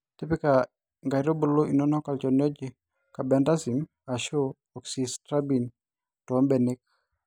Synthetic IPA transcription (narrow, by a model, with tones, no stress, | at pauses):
te˦pɪ˦ka˨ | ŋɡa˨ɾo˦bo˦lo˦ʔi˨nɔ˦nɔ˦ka˨lt͡ʃɔ˨njɔ˦d͡ʒɪ˦ | ka˨bɛ˨nda˦si˨m | a˨ʃoː˦˨ | ksi˨stɾa˦bi˨n | tːmbɛ˨ni˦k̚